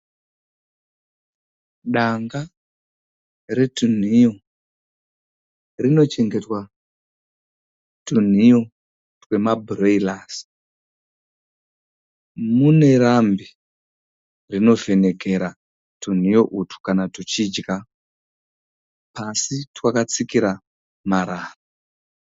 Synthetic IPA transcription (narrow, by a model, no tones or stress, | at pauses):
ɗaŋɡa | re̞tun̤ijo̞ | rino̞t͡ʃe̞ŋɡe̞twa | tun̤ijo̞ | twe̞mabʱuroilaːsi̥ | mune̞ɾambi | rino̞ve̞ne̞ke̞ɾa | tun̤ijo̞ʔutʰu̥kanatut͡ʃid͡ʒɡa | pasitwakat͡sikiɾa | maɾaːra